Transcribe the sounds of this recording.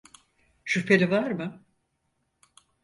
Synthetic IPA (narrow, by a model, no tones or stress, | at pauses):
ʃypʰelʲivaɾmɯ